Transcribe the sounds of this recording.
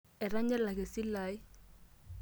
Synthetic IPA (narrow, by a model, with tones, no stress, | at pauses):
ɛ˨ra˦ɲɛ˦la˨kɛ˨si˦la˨i˦